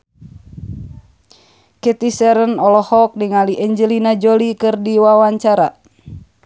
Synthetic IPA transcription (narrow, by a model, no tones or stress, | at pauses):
ket̪isɛɾənɔlɔhɔk̚niŋaliʔɛɲd͡ʒəlinad͡ʒolikɨrdiwawaɲt͡ʃaɾa